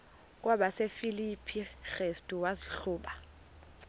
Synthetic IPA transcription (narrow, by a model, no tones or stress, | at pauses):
k̬ʼwaɓasefilipʰixestʼuwaziɬuːɓa